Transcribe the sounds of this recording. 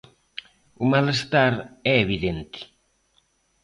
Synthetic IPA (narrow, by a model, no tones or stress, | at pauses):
umalest̪aɾɛeβ̞iðent̪i̥